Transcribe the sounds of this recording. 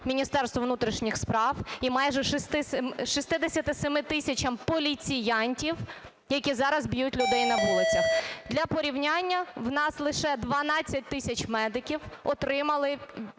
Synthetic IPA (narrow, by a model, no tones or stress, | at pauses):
mʲinʲist̪ɛrst̪ʋɔʋnut̪ɾʲiʃnʲixspɾɑwimɑjʒɛʃɪst̪ɪsmʃɪst̪ɪd̪esʲɐt̪ɪsɛmɪt̪ɪsʲɐt͡ʃɐmpɔlʲit͡sʲijɑnʲtʲiw | jɐkʲizɑɾɐzbjutʲlʲʊd̪ɛjnɐʋulˠɪt͡sʲɐxd̪ʲlʲɐpɔɾʲiwnʲanʲːɐwnɑslˠɪʃɛd̪ʋɐnɑt͡sʲːɐt̚ʲt̪ɪsʲɐt͡ʃmɛd̪ɪkʲiwɔt̪ɾɪmɐlˠɪ